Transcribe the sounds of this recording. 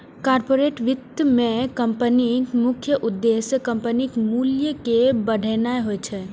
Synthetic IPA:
kaɾpoɾeʈʋit̪ːəmekəmpənimukʰjəʔud̪ːesəkəmpənikmuljəkebəɽ̤ʱənaeɦojt͡ʃʰɛ

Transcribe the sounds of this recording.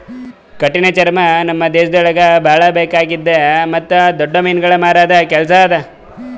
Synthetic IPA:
kɐʈːinet͡ʃɐɾɐmɐnɐmːɐd̪eːʃɐd̪ɔɭɐɡɐbʱaːɭɐbeːkaːɡid̪ːemɐt̪ːud̪ɔɖːɐmɐjnɡɐɭɐmaːɾaːd̪ɐkɛlɐs̬ɐaːd̪ɐ

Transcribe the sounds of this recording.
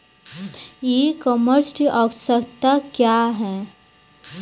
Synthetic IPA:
jekɔməɾsɪ̥ʈiʔɔːksəkt̪akjaːɦɛː

